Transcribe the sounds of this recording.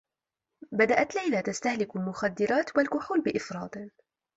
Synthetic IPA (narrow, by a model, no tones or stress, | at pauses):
bad̪aʔat̪lajlaːt̪ast̪ahlɪkalmʊxad̪ːɪɾɑːt̪walkʊħuːlbɪʔɪfɾˤɑːd̪